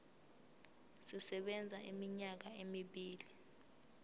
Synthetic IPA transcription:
sisɛɓɛnd͡zʱaʔimiɲak̬aemiɓiːli

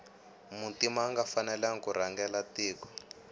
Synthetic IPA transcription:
muntimaːŋɡafanɛlaŋ̩kuɾaŋɡɛlatiːkɔ̥

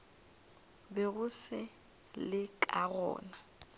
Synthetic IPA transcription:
bɛɣʊsɪ | lɪkʼaɣɔ̰ːna

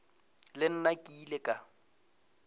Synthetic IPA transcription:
lɪn̩nakʼilekʼa

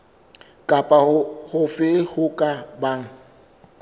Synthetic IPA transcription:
kʼapʼahʊfɪhʊkʼabaŋ̩

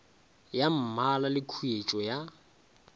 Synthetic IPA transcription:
jam̩malalɪkʰuet͡ʃʼɔja

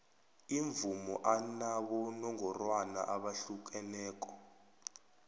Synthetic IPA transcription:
iɱvumɔ̰ʔanaɓɔnɔŋɔrwana̰ʔaɓaɬuk̬ʼɛnɛːk̬ʼɔ̥

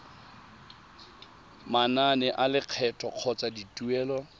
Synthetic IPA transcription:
mananɛʔalɪq͡χʰɛtʰʼɔq͡χʰɔt͡saditʼuɛːlɔ

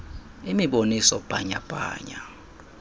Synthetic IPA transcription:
imiɓonisɔpʼaɲa̰pʼa̰ːɲa

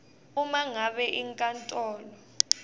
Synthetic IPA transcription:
umaŋaɓɛʔiŋkʼantʼɔːlɔ

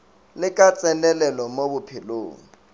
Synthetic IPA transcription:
lɪkʼat͡sʼɛlɛlɛlɔmobʊpʰɪlo̰ːŋ̩

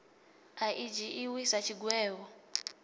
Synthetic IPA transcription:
aʔid͡ʒiʔiwisat͡ʃʰiɡwɛːβɔ

